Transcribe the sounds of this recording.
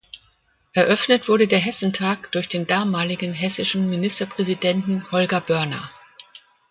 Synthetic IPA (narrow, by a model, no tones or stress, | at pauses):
ʔɛɐʔœfnətv̥ʊɐɾədeːɐɦɛsn̩tʰaːkd̥ʊɐçd̥eːndaːmaːlɪɡn̩ɦɛsɪʃn̩minɪstɐpʁ̥ɛzidɛntn̩hɔlɡɐbœɐnɐ̰